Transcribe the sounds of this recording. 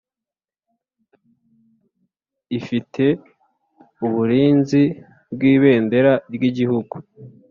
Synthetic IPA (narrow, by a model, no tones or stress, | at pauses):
ifitʰe̞ | uβuɾiːnzi | bɡiːβe̞ːnde̞ɾaɾɡiɟihuɡu